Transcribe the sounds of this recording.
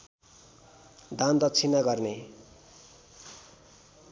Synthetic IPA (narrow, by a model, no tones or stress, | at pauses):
d̪and̪ʌt͡sʰinaɡʌrne